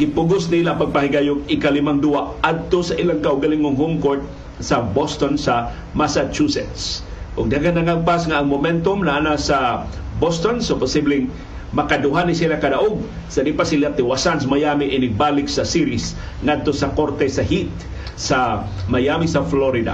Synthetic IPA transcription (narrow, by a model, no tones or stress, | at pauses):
ɡɪpʊɡosnilapaɡ̚paɦɪɡajʊɡ̚ɪkalɪmaŋd̪uaad̪̚t̪osaʔilaŋkaʔʊɡalɪŋoŋhʊŋkot̪̚ | sabost̪onsa | masat͡ʃusɛt̪s | ʔʊɡ̚d̪aɡanaŋaɡ̚pasŋaːŋmʊmɛnt̪omnaʔanasa | bost̪onsopʊsiblɛŋ | mɐkad̪ʊɦanisilakadaʔoɡ̚ | sadipasilat̪ɪwasansmajamiʔɪnɪɡ̚balɪksasiɾis | ŋad̪̚t̪osakoɾt̪ɛsahit̪̚ | sa | majamisɐfloɾid̪a̰